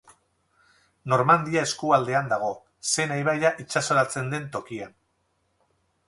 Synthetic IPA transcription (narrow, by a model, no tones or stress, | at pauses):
no̞ɾmand̪iae̞skuald̪e̞and̪aɣ̞o̞ | se̞najβajaʔit͡ʃasoɾat͡se̞nd̪e̞nt̪o̞kian